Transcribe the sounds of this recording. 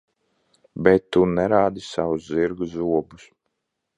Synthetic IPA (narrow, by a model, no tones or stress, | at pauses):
bɛt̪ːunɛɾaːd̪isawusziɾɡuzuɔbus